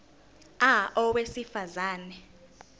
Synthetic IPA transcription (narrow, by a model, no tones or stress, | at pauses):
aʔɔwesifazaːnɛ